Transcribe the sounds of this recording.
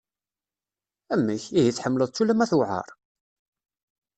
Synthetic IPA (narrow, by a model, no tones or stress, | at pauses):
æmːæçiɦiθːħəmːləðˤt͡sːulːæmæθuʕɑ̰ɾˤ